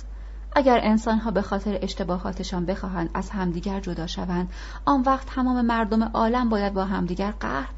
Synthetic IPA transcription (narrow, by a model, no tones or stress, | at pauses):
ʔæɟæɾʔe̞nsɒːnɦɒːbe̞xɒːt̪ʰe̞ɾeʔeʃt̪e̞bɒːɦɒ̰ːt̪ʰe̞ʃɒːnbe̞xɒːɦænd̪̥æz̥hæmd̪iːɟæɾd͡ʒod̪ɒːʃævænd̪̥ | ʔɒːnvæːqt̪ːʰæmɒːme̞mæɾd̪o̞me̞ʔɒːlæmbɒːjæd̪̚bɒːɦæmd̪iːɟæɾɢæ̰hɾ